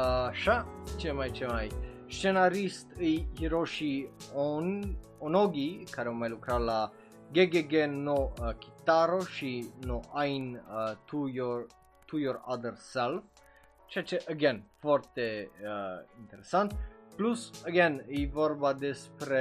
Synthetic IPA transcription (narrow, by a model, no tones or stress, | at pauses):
ʃat͡ʃɛmajt͡ʃɛmajʃɛnaɾist̪ihiɾoʃiɔnɔnoɡikʰaɾomalukɾala | ɡɛɡɛɡɛnːokʰi̥t̪aɾoʃinoʔajnt̪ʰujɔ | t̪ʰujɔɾaðəɾsɛlf | t͡ʃɛt͡ʃɛʔəɡɛ̃nfɔɾt̪ɛ | int̪ɛɾɛsant̪plusəɡɛ̃nivɔɾbad̪ɛspɾɛ